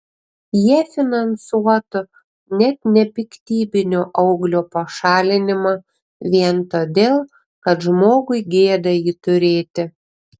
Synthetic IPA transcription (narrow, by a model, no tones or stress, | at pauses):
jiɛfʲɪnɐnsuɔt̪ʊ | nʲɛt̪nʲɛpʲɪkt̪ʲiːbʲɪnʲoːʔɐʊɡlʲoːpɐʃɑːlʲɪnʲɪmɑː | ʋʲiɛnt̪oːd̪ʲeːlˠ | kɐt̪ʒmoːɡʊɪɡʲeːd̪ɐjiːt̪ʊɾʲeːt̪ʲɪ